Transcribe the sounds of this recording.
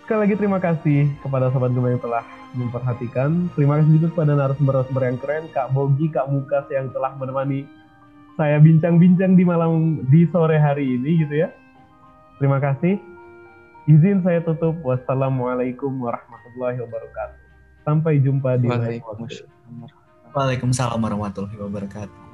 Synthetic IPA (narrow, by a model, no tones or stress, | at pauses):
sə̥kalilaɡit̪əɾimakasɪhkəp̬adas̬abat̪̚ɡəmajaŋt̪əlah | məmpərɦat̪ikant̪əɾimakas̬ɪhd͡ʒut̪ukkəpadaanaɾʊsəmbəɾasəmbəɾjaŋkəɾankaʔboɡikaʔmukasjaŋt̪əlahmənəmani | sajabiɲt͡ʃaŋbiɲt͡ʃaŋdimalamdisoɾeɦaɾiːniɡit̪uja | t̪əɾimakasɪh | izɪns̬ajat̪ut̪ʊp̚wasalamalajkʊmwaɾɑhmat̪ulːahiwabaɾakat̪̚u̥ | sampajd͡ʒumpadiaawakṵ | walekʊmsala̰mwaɾɔhmat̪ulaɦiwabaɾakat̪u̥